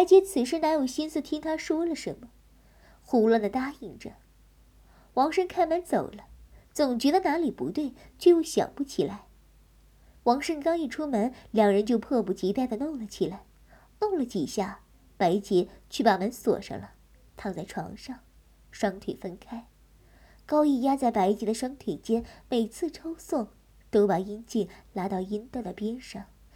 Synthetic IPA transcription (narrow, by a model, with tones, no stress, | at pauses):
pa˧˥ɪt͡ɕjɛ˧˥t͡sʰɹ̩˨˩ʂ̬ɻ̩˥˩na˧˥njo˨˩ʊɕi˥nsɹ̩˥˩t̪ʰi˥ŋt̪ʰa˥ʂwɔ˥lə˨ʂə˧˥nmə˧ | xu˧˥lə˥˩nd̪ə˩t̪a˥˩i˥˩ŋʈ͡ʂə̰˩ | wɑ˧˥ŋʂə˥nkʰa˥˩ɪmə˧˥nt͡so˨˩ʊlə˦t͡sʊ˨˩ŋt͡ɕɥɛ˧˥d̪ə˧na˧˥li˨˩pṵ˧˥t̪we˥˩ɪt͡ɕjo˥˧jɕjɑ̰˨˩ŋpu˧˥t͡ɕʰi˨˩la˧˥ɪ | wɑ˧˥ŋʂə˥nkɑ˥ŋi˥˩ʈ͡ʂʰu˥mə˧˥nljɑ˨˩ŋɻə˧˥nt͡ɕjo˥˧ʊpʰɤ˥˧pu˨˥˩t͡ɕi˧˥t̪a˥˩ɪd̪ə˩no˥˩ŋlə˩t͡ɕʰi˨˩la˧˥ɪ | nʊ˥˩ŋlə˨˩t̪i˨˩ɕja˥˩ | pa˧˥ɪt͡ɕi˧˥t͡ɕʰy˥˩pa˨˩mə˧˥nswɔ̰˨˩ʂə̰˧˥ŋlə˩ | t̪ʰa˥˧ŋt͡sa˥˩ɪʈ͡ʂʰwɑ̰˧˥ŋʂɑ˥˩ŋ | ʂwɑ˥ŋt̪ʰwḛ˨˩ɪfə˥nkʰa˥ɪ | kɑ˥ʊi˥˩ja˥t͡sa˥˩ɪpa˧˥ɪt͡ɕi˧˥d̪ə˧ʂwɑ˥ŋt̪ʰwe˨˩ɪt͡ɕjɛ˥nme˨˩ɪt͡sʰɹ̩˥˩ʈ͡ʂʰɑ˥ʊswʊ˥˩ŋ | t̪o˥ʊpa˨˩i˥nt͡ɕi˥˩nla˧˥t̪ɑ˥˩ʊi˥nt̪ɤ˥˩d̪ə˩pjɛ˥nʂɑ˥˩ŋ